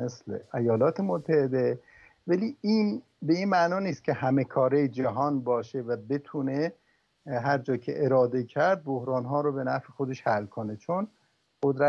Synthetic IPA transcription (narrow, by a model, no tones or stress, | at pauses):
meslḛejɒːlɒːt̪ʰemot̪ʰːæhed̪e | væliːiːn | be̞inmænɒːniːst̪̚cʰʲe̞hæmekʰɒːɾejd͡ʒæɦɒːnbɒːʃevæbe̞t̪ʰuːne | ɦæɾd͡ʒɒːcʰḛʔeɾɒːd̪e̞cʰæɾd̪̚bohɾɒːnɦɒːɾobe̞næfexod̪e̞ʃhælːkʰonet͡ʃʰon | ɢ̥od̪ɾæ